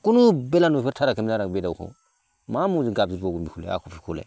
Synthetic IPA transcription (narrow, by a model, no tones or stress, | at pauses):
kunubelanufetʰaɾakemaɾabedauko̰ | mamud͡ʒiɡabzioɡumbikulḛa̰kofikṵlḛ